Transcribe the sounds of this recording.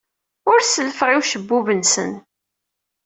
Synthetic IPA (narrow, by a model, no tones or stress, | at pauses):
ʊɾsələfʁiwʃəbːuvənsə̰n